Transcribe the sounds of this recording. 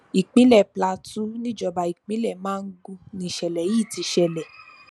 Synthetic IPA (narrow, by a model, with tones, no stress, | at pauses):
i˨k͡pĩ˦lɛ˦˨pla˧tu˦nĩ˦d͡ʒɔ˧ba˧i˨k͡pĩ˦lɛ˦˨mãː˦˧n̩˦ɡu˦˧nĩ˧˨ʃɛ˨lɛ˨˦iː˦˨ti˧ʃɛ˧lɛ˨